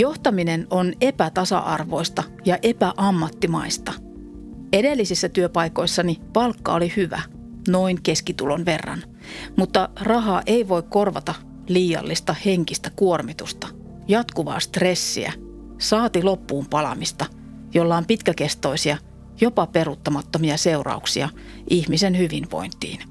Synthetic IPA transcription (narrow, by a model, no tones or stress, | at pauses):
jo̞ht̪ɑminenone̞pæt̪ɑsɑ̰ʔɑrʋo̞̰ist̪ɑ | jɑʔe̞pæʔɑmːɑt̪ːimɑist̪ɑ | e̞de̞lːisisːæt̪yøpɑiko̞isːɑnipɑlkːɑ̰olihyʋæ̰ | no̞iŋke̞skit̪ulo̞nʋe̞rːɑ̰n | mut̪ːɑrɑɦɑːʔe̞iʋo̞ikko̞rʋɑ̰t̪ɑ | liːjɑ̰lːist̪ɑheŋkist̪ækuormit̪ust̪ɑ | jɑt̪kuʋɑ̰ːst̪re̞sːḭæ̰ | sɑːt̪ilopːuːmpɑlɑ̰mist̪ɑ | jolːɑompit̪kækest̪o̞isiɑ | jopɑperut̪ːɑmɑt̪ːomiɑseurɑ̰uksiɑ | ʔihmisenhyʋinʋo̰int̪ḭːn